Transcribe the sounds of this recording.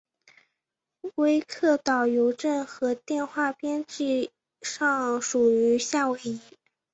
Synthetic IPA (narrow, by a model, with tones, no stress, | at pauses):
we˥ɪkʰɤ˥˩t̪ɑ˨˩ʊjo˧˥ʊʈ͡ʂə˥˩nxɤ˧˥t̪jɛ˥˧nxwa˥˩pjɛ˥nʈ͡ʂɻ̩˥˧ | ʂɑ˥˩ŋʂu˨˩y˧˥ɕja˥˩we˧˥ɪi˧˥